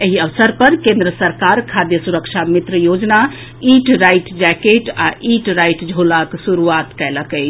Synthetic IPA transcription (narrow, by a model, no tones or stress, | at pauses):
eɦiəʋsəɾpəɾkẽnd̪ɾəsəɾkaɾkʰad̪jəsuɾəkt͡ʃʰamit̪ɾəjod͡ʒna | iʈɾajʈd͡ʒɛkeʈaʔiʈɾajʈd͡ʒʱolaksuɾuat̪kɛɪləkət͡ʃʰ